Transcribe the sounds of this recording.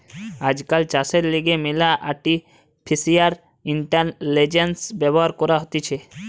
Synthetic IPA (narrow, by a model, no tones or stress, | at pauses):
ad͡ʑkalt͡ʃaseɾliɡemelaʔaʈi | pʰisiaɾ | iɳʈaɾled͡ʑensbɛboɦaɾkɔɾaɦot̪et͡ɕʰe